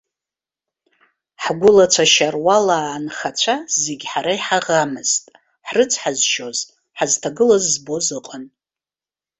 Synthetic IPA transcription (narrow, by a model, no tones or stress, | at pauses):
ħɡʷʊlat͡ʃʷʰaʃarwalaːnχat͡ʃʷʰazeɡʲħaɾaiħaʁamɨz̥tʼ | ħrɨt͡sʷʰħazʃo̞z | ħaztʰaɡɨlazːbo̞zɨqʼən